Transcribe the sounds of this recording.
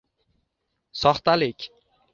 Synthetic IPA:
sɒχt̪alɪkʲ

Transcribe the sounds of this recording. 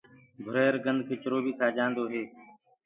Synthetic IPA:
bʱʊɾeːɾɡənd̪̚ʱkʰeːt͡ʃəɾoːbiːkʰaːd͡ʒãːnd̪oːɦeː

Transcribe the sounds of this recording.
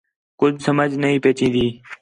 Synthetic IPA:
kʊd͡ʒsəməd͡ʒnəɦĩːpeːt͡ʃĩːd̪iː

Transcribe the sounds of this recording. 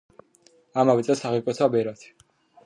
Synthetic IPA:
amavit̪sʼɛsaʁikʼɛt̪sʰabɛɾat̪ʰi̥

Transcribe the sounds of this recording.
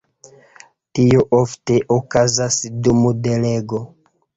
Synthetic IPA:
tioʔofte̞ʔokazasdumude̞le̞ɡo̞

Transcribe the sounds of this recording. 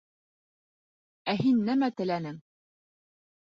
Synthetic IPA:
æɦinːæmæt̪ɘ̆lænɘŋ

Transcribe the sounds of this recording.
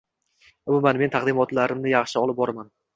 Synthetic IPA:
ʊbɪmanme̞nt̪ʰaqd̪ɪmɒt̪laɾɪmnɪjɑχʃɪɒlˠɪp̚bɒɾaman

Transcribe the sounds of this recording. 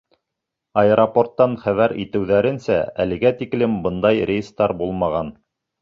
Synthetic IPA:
ɑeɾoport̪ːɑnχæβæɾḭt̪ɘ̆wðæɾɘ̆nsæ̰ælɘ̆ɡæt̪iklɘmbɤnd̪ɑjɾʲejst̪ɑɾbulˠmɑʁɑn

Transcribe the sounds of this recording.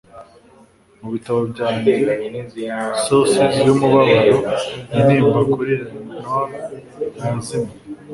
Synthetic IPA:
muβitaβobɟaːme | sosetjomuβaβaɾoiɾiːmbakoɾeɾannwa | muzima

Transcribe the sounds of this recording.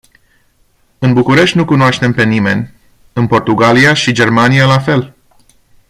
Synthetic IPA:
ɨnbukuɾe̞ʃt̪ʲnukunoaʃt̪e̞mpe̞nime̞̰nʲ | ɨnpo̞rt̪uɡaliaʃid͡ʒe̞rmanijalafe̞l

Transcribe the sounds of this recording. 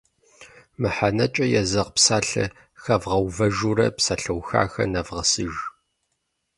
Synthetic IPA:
mɨħanɐt͡ʃʼɐjɛzɐʁpsaːɬɐ̰ | xɐvʁɐwvɐʒurɐ̰psaːɬɐwxa̰ːxɐ̰nɐvʁɐsɨʒ

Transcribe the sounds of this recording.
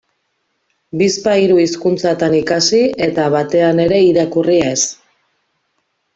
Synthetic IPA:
bispaiɾuiskunt͡sat̪anikasie̞t̪aβat̪e̞ane̞ɾe̞iɾakuries

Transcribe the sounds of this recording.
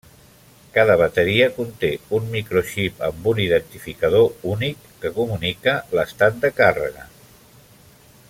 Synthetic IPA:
kaðəβ̞ət̪əɾiəkunt̪eunmikɾoʃipə̰mbuniðənt̪ifikəð̞ounikːəkumunikələst̪at̪̚d̪əkarə̰ɣə̰

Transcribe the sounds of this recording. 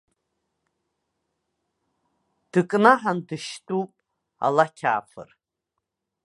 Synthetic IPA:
d̥ɨkʼnaħandɨʃtʼupʼ | a̰lakʲʰa̰ːfɨ̰r

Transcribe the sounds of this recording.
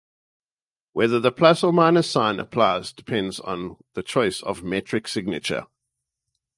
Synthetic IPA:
wɛðəðəpʰl̥asəmãɪ̃nəsãɪ̃nʔə̰pʰl̥aɪzdɪpʰɛ̃ndzn̩ðət͡ʃʰɔɪsə̰vmɛt͡ʃɹ̥ɪksɪɡ̚nɪ̰t͡ʃə̰

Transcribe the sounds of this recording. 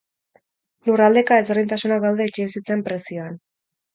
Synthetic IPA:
lurald̪e̞kaet̪o̞rent̪asunakd̪awðeit͡ʃiβisit͡se̞mpɾe̞sio̞an

